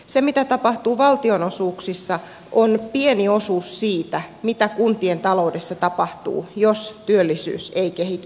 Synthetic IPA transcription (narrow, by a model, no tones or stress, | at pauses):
semit̪æt̪ɑpɑht̪uːʋɑlt̪ionosuːksisːɑ | onpieniosuːssiːt̪æmit̪ækunt̪ient̪ɑloudesːɑt̪ɑpɑht̪ṵːjost̪yølːisy̰ːseikehit̪y